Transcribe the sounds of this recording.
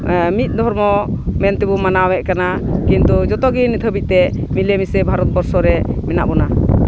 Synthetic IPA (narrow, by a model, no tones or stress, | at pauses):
mit̪̚ˀd̪ʱɔɾmɔmɛnt̪ɛbumanawɛʔkanakint̪ud͡ʒɔt̪ɔɡinːit̪ʰəbit̪ɛmilemisɛbʱaɾɔt̪̚bɔɾsɔɾɛmɛna̰ʔbɔna